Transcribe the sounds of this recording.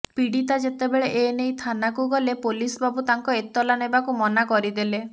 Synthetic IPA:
piɽit̪ad͡ʒet̪ebeɭeʔenejt̪ʰanakuɡɔlepolisɔbabut̪aŋkɔet̪ːɔlanebakumɔnakɔɾid̪ele

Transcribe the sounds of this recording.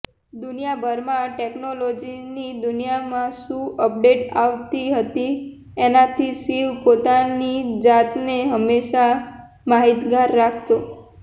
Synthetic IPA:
d̪ʊnijabʱəɾmãʈeknolod͡ʒinid̪ʊnijamãʃũəp̚ɖeʈaʋt̪iɦət̪i | enat̪ʰisiʋpot̪anid͡ʒat̪neɦəmːeʃa | maɦit̪ɡaɾːakʰt̪o

